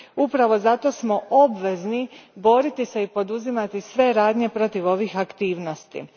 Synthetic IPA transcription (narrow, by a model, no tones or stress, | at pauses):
upɾaʋo̞zat̪o̞smo̞ʔo̞bʋe̞znibo̞ɾit̪ise̞ipo̞d̪uzimat̪isʋe̞ɾaːd̪ɲe̞pɾo̞t̪iʋo̞ʋixakt̪iːʋno̞st̪ḭ